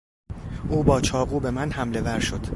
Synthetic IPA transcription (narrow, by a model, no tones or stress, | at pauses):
ʔuːbɒːt͡ʃʰɒːɣuːbe̞mænhæmle̞væɾʃo̞d̪̥